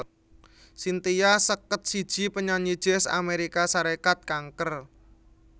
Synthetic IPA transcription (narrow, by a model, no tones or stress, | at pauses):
sint̪ijasəkət̪̚sid̥ʒ̥i̤pəɲaɲid̥ʒ̥ɛsa̰meɾikasaɾekat̪̚kaŋkər